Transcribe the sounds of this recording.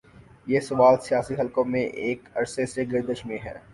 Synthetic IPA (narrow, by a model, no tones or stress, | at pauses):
jeːsɐʋaːlsijaːsiɦɐlkõmẽʔeːkɐɾseseɡɪɾd̪əʃmẽɦɛ̰ː